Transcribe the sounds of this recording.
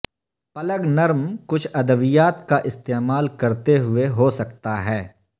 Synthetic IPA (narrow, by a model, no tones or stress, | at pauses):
pɐləɡnɐɾmkʊt͡ʃʰɐd̪əʋijaːt̪kaʔɪst̪eːmaːlkɐɾt̪eɦʊeɦosɐkt̪aɦɛː